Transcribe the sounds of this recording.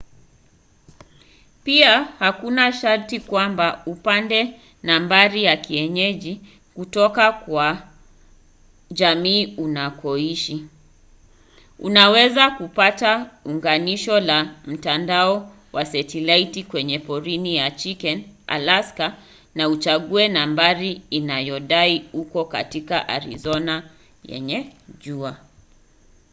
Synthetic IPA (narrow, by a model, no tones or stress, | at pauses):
piahakunaʃaɾtikwambaupandɛ | nambaɾijakiɛɲɛʄi | kutɔkakwa | ʄamiːunakʰɔiʃi | ṵnawɛzakupatauŋɡaniʃɔlam̩tandaɔ | wasɛtilaitikwɛɲɛpɔɾinijat͡ʃikɛna̰laska | naut͡ʃaɠuɛnambaɾiinajɔɗaiukɔka̰tikaʔa̰ɾḭzɔna | jɛ̰ɲɛʄua